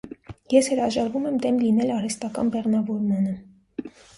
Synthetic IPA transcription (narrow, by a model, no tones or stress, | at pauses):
jɛshəɾɑʒɑɾvumɛmd̪ɛmlinɛlɑɾɛst̪ɑkɑ̰nbɛʁnɑvɔɾmɑnə